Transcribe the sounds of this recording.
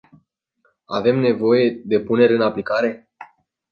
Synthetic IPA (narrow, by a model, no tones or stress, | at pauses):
ave̞mne̞vo̞je̞d̪e̞pune̞ɾʲɨnaplikaɾe̞